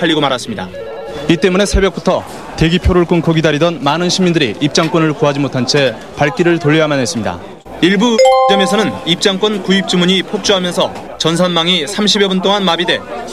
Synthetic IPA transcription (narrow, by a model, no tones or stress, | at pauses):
aʎːiɡomaɾas͈ɯmɲida̰ | it͈e̞mune̞sʰe̞bjʌk̚p͈utʰʌ | te̞ɡipʰjoɾoɭk͈ɯnkʌɡidaɾidʌnmanɯnɕʰimːindɯɾḭip̚t͡ɕ͈aŋk͈wʌnɯɭkoɦad͡ʑimotʰant͡ɕʰe̞ | paɭk͈iɾɯɭtoʎːiɦamanɦe̞s͈ɯmɲida̰ | iɭbutemesʰʌnɯnip̚t͡ɕ͈aŋk͈wʌnkuip̚t͡ɕ͈imuɲipʰok̚t͡ɕ͈uɦamjʌnsʰʌ | t͡ɕʌns̬ʰanmaŋisʰamɕ̬ʰibjebunt͈oŋanmabide̞